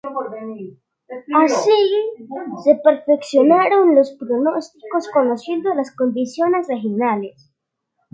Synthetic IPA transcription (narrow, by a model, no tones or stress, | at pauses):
asi | sepeɾfeksjonaɾonlospɾonost̪ikoskonosjend̪olaskond̪isjonezexinales